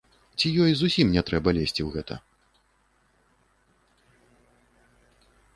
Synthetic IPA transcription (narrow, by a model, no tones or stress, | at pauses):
t͡sʲijɔjzusʲimnʲɛt̪ɾɛbɐlʲesʲt͡sʲiwɣɛt̪ʰɐ̰